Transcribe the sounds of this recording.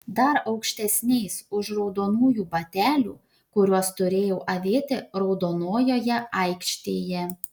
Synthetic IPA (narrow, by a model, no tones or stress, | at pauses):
d̪ɐɾɒʊkʃʲt̪ʲɛsʲnʲɛɪsʊʃɾɒʊd̪oːnuːjuːbɐt̪ʲæːlʲṵː | kʊɾʲuɔst̪ʊɾʲeːjɛʊʔɐʋʲeːt̪ʲɪɾɒʊd̪oːnoːjoːjɛɐɪkʃʲt̪ʲeːjɛ